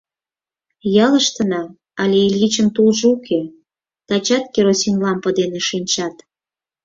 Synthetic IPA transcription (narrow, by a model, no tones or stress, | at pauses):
jɑləʃt̪ənɑ | ɑlʲeilʲit͡ɕəmt̪ulʒɤukʰe | t̪ɑt͡ɕɑt̪̚keɾosinlɑmpəd̪eneʃinʲt͡ɕɑt̪